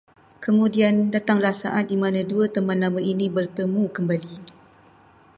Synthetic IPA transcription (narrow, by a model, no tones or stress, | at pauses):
kəmũdiandat̪aŋlasaʔat̪̚dimãnãduət̪əmãnlamaʔinibərt̪əmũkəmbali